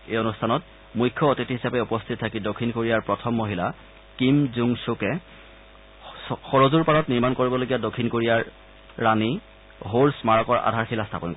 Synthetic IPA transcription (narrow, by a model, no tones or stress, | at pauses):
ejonustʰanɔt | mujkʰːɔːtitiɦisapɛupɔstʰit̚tʰakidokʰːinkoɹijaɹpɹɔtʰɔmːoɦila | kimzuŋsukɛ | xɔɹozuɹpaɹɔtniɹmankoɹibɔloɡijadokʰːinkoɹijaɹː | ani | ɦoɹsmaɹɔkɔɹa̰dʱaɹxilastʰapɔnkɔ